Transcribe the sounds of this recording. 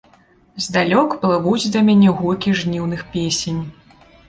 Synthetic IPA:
zd̪alʲɔkplˠɨvud͡zʲd̪ɐmʲanʲɛɣukʲiʐnʲiwnɨxpʲesʲenʲ

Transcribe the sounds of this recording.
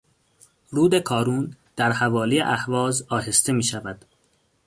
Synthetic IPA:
ɾuːd̪e̞kʰɒːɾuːnd̪̥æɾhævɒːlijḛʔæhvɒːzɒːhe̞st̪e̞miːʃævæd̪̥

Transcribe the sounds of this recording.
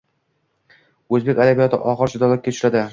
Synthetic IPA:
ɵzbekʲad̪abijɒt̪ʰɪ̰ʔɒʁɨɾd͡ʒʊd̪ɒlat̪̚ʲkʲat̪ʊ̥ʃlad̪ɪ

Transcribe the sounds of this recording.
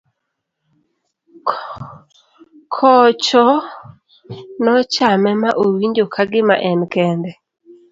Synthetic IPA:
kʰɔt͡ʃɔ | nɔt͡ʃamɛmaʔowiɲd͡ʒokʰaɡɪma̰ʔɛnkɛndɛ

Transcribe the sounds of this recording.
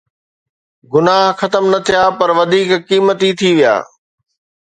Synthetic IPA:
ɡʊnaːɦxɐt̪əmnɐt̪ʰijaːpɐɾʋɐd̪ʱiːkkiːmət̪it̪ʰiʋija̰ː

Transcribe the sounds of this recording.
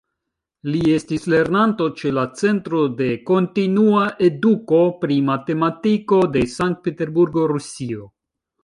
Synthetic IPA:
lie̞stisle̞ɾnanto̞t͡ʃe̞lat͡se̞ntɾo̞de̞ko̞ntinuaʔe̞duko̞pɾimate̞matiko̞de̞saŋk̚t̚pete̞ɾbuɾɡo̞ɾusio̞

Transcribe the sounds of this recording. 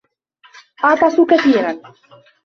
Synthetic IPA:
ʔɑʕt̪ˤɑsukaθiːɾan

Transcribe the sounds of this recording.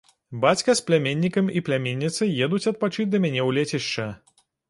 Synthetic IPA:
bat͡sʲkɐsplʲamʲenʲːikɐmiplʲamʲenʲːit̪sɨjɛd̪ut͡sʲɐt̪̚pat͡ʂɨt͡sʲd̪ɐmʲanʲɛwlʲet͡sʲiʂt͡ʂɐ

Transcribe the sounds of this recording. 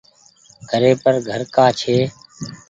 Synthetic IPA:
ɡʱəɾeːpəɾɡʱəɾkaːt͡ʃʰeː

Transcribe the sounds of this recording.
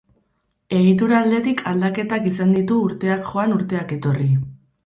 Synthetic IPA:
e̞ɣit̪̬uɾaːld̪e̞t̪ikʰald̪ake̞t̪akisand̪it̪uːɾt̪e̞akʝo̞anuɾt̪e̞ake̞t̪o̞ri

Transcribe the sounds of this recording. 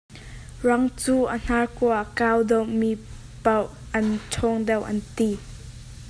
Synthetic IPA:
rɐŋt͡suːən̥arkɔəkawd̪ɔwmi | pɐw | ʔɐntʰɔŋd̪ɛwʔɐ̰nt̪i

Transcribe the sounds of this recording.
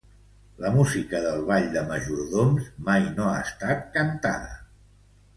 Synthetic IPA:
ləmuzikəðəlˠβaʎd̪əməʒuɾðonzmajnoast̪at̪̚kənt̪a̰ðə̰

